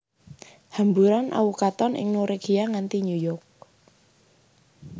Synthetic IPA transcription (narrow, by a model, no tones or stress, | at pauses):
hambuɾanʔa̰ukat̪ɔnʔɪ̰ŋnuɾeɡiaŋant̪iɲujɔrk̚